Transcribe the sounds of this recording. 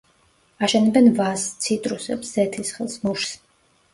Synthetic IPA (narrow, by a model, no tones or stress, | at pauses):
aʃɛnɛbɛnvast̪sʰit̪ʼɾusɛ̰psz̥ɛt̪ʰisχɛlˠsmuʃs